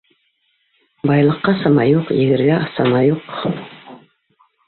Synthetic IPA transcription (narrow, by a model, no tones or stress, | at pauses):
bɑjlˠɤ̆qːɑsɑmɑjuqjɘ̆ɡɘ̆ɾɡæɑsɑnɑjuq